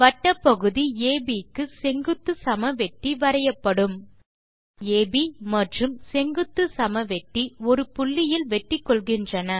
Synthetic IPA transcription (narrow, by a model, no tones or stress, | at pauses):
ʋɐʈːɐpːɐɣɯðieːbikːɯsɛŋɡɯt̪ːɯsɐmɐʋɛʈːiʋɐɾɐjɐpːɐɽɯm | eːbimɐʈrɯmsɛŋɡɯt̪ːɯsɐmɐʋɛʈːiɔɾɯpʊɭːɪjɪlʋɛʈːɪkːɔɭɣɪndrɐnɐ